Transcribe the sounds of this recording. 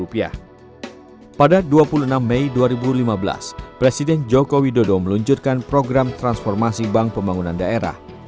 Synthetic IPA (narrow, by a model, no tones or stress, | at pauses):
upia̰h | padaduapuluənamːɛiduaɾibulimabəla̰spɾesidɛnd͡ʒokowidodɔməluɲt͡ʃurkanpɾoɡɾamt̪ɾansfɔrmasibaŋpəmbaŋunandaʔeɾa̰h